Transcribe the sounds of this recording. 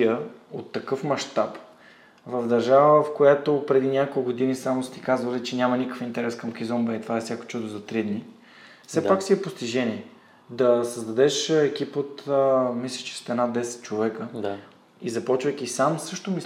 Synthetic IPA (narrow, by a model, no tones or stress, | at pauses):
əot̪ːɐkɤfmɐʃt̪ap | vɐvd̪ɐɾʒavəfkojat̪opɾɛd̪inʲakolˠkɡod̪inisamost̪i̥kazvəlɛt͡ʃɛnʲamɐnikə̥fint̪ɛɾɛskɐmkizɔmbɛit̪vaɛfsʲako̥t͡ʃud̪ozɐt̪ɾid̪ni | fsɛpaksiɛpost̪iʒɛniɛ | d̪ɐsəzd̪ɐd̪ɛʃɛk̟ipot̪ːmislʲəʃt͡ʃɛ̥st̪ɛnad̪ɛsɛ̥t̪̚t͡ʃovɛkəa | izɐpɔt͡ʃvəjk̟ʲisamsɤʃt̪omi